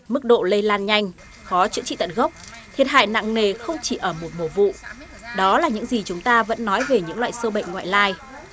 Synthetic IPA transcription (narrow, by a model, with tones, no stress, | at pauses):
mɨ˦˥k̚ɗo̰˧˨lə˧jlaː˧nɲa˧jŋ̟ | xɔ˨˦t͡ɕɨ̰˧˥t͡ɕḭ˧˨t̪ə˧˨˩nɣə˦˥wk͡p̚ | t̪ʰi˨˩ət̚ha̰ː˧˨jna̰˧˨ŋne˨˩xə˧wŋ͡mt͡ɕi˧˩ʔəː˧˩mo˨˩t̚mo˧˩vṵ˧˨ | ɗɔ˨˦laː˨˩ɲɨ̰˧˥ŋzi˨˩t͡ɕʊ˨˦ŋ͡mt̪aː˧və̰˧˥nːɔ˨˦jve˨˩ɲɨ̰˧˥ŋlwa̰ː˧˨jsəː˧wɓə̰˧˨jŋ̟ŋwa̰ː˧˨jlaː˧j